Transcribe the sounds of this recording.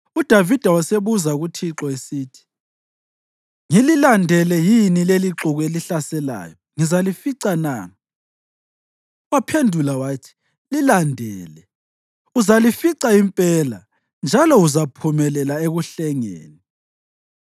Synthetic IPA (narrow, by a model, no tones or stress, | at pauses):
ud̥ʱavid̥ʱawaseβuzauɣutʰiǁɔesiːtʰi̥ | ŋililandʱɛlɛjinileliǁuɣeliɬasɛla̰ːjɔ | ŋizalifiǀana̰ | wapʰendʱulawaːtʰi̥ | lilandʱɛːlɛ | uzalifiǀaimpʼɛːla̰ | nd͡ʒʱalɔuzapʰumɛlɛlaeɣuɬɛŋḛːni